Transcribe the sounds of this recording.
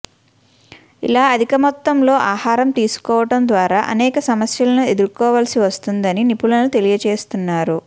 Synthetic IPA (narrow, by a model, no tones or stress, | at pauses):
ḭlaːɐd̪ʱikɐmɔt̪ːɐmlo̞ːʔaːhaːɾɐmt̪iːsu̥kɔːʋɐʈɐmd̪ʋaːɾaːʔɐ̰nɛːkɐsɐmɐsjɐlɐnue̞d̪uɾkɔːʋaːlɐsiʋɐst̪und̪ɐninipulɐnut̪e̞lijɐt͡ʃeːst̪unːaːɾu